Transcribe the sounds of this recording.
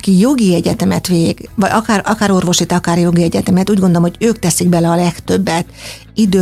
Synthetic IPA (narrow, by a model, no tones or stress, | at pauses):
ɒkijo̞ɡiɛɟɛt̪ɛmɛt̪ʋeːɡ̥ʋɒɟɒkaːrɒkaːɾo̞rvo̞ʃit̪ɒkaːrjo̞ɡiɛɟɛt̪ɛmɛt̪uːɟɡond̪olomhoɟøːkt̪ɛsiɡ̚bɛlɛɒlɛkt̪ø̞bːɛt̪ | id̪øː